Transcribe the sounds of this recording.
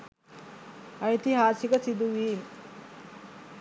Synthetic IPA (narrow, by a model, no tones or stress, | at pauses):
ɐjt̪iɦaːsikəsid̪uʋiːm